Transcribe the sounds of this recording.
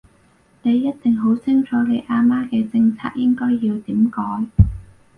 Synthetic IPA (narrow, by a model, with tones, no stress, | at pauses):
ne˨˧jːɐ˥t̚t̪ɪ˨ŋɦo˨˥wt͡sʰɪ˥ŋt͡sʰɔː˨˥le˨˧jʔaː˧maː˥kɛː˧t͡sɪ˧ŋt͡sʰa̰ː˧k̚jɪ˥ŋkɔː˥jːiː˧wt̪iː˨˥mkɔː˨˥j